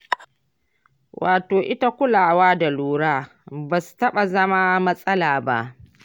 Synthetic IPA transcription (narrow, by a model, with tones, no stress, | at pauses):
wʔa̰ː˨toː˨ʔɪ˦ta˦kʷʊ˦laː˨waː˦da˨luː˨ɾaː˦ | ba˨stɐ˦ɓa˨zɐ˦ma˦mɐ˦sʼɐ˦laː˨ba̰˦ʔ